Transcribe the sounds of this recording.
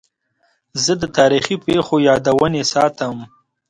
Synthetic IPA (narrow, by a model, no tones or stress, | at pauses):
zəd̪ət̪ɑɾixipexojɑːd̪awənesɑt̪əm